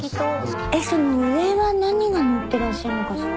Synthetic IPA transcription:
eso̞no̞ɯ̟eβanaɲ̟iɡanot̪ːe̞ɾaɕːaɾɯnoka

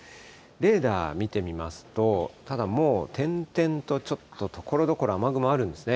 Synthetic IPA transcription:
ɾe̞ːd̪a̰ːmʲit̪e̞mʲimasɨ̥t̪o̞t̪ad̪amo̞ːt̪ʰẽ̞nt̪ẽ̞nt̪o̞t͡ɕo̞t̪ːo̞t̪ʰo̞̥ko̞ɾo̞d̪o̞ko̞ɾoamaɡɯ̟moaɾɯ̟̃nd̪e̞sɨne

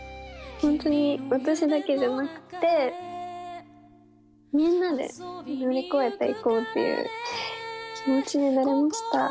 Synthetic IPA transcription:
hõ̞nt̪o̞ɲ̟iβat̪aɕid̪ake̞d͡ʑanakɯ̟̥t̪e̞ | mʲĩnːad̪e̞̰naɾʲiko̞et̪ːaḭkoːt̪ːḛjɯ̰ː | ɲit͡ɕiɲinaɾe̞maɕi̥t̪a̰

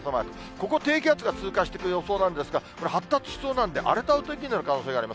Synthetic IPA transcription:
samaɾɯt̪o | koko̞t̪e̞ːkʲat͡sɨɡat͡sɨːkaɕi̥t̪ekɯ̟jo̞so̞ːnãnd̪e̞sɨɡako̞ɾe̞hat̪ːat͡sɨ̥ɕi̥so̞ːnãnd̪e̞ʔa̰ɾe̞t̪aɯ̟t̪oikʲiɲioɾkano̞ːseːɡaːɾimas

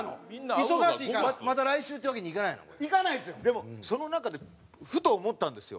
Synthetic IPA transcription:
no̰minːaisoɡaɕiːkamat̪̬aɾaiɕɨːt̪ejakeɲ̟ikanaino̰koikanaisɨjod̪e̞moso̞no̞nakad̪e̞ | ɸɯ̟t̪oːmo̞t̪ːãnd̪e̞sɨjo̰

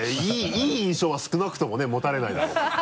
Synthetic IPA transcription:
iiːĩɰ̃ɕo̞ːβasɨ̥kɯ̟nakɯ̟̥t̪o̞mo̞ne̞mo̞t̪aɾe̞naid̪ao

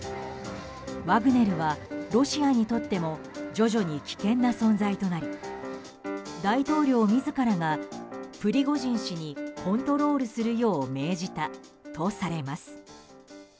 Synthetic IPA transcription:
βaɡɯ̟ne̞ɾɯ̟βaɾo̞ɕiaɲ̟it̪o̞t̪ːe̞mo̞ | d͡ʑo̞ʑo̞ɲ̟ikʲi̥kẽ̞nːasõ̞nzait̪o̞naɾʲi | d̪ait̪o̞ːɾʲo̞ːmʲizɨkaɾaɡaɸɯ̟ɾʲiɡo̞ʑĩɰ̃ɕiɲ̟ikõ̞nt̪o̞ɾo̞ːɾɯ̟sɨɾɯ̟jo̞ːme̞ːʑit̪a | t̪o̞saɾe̞masɨ̥

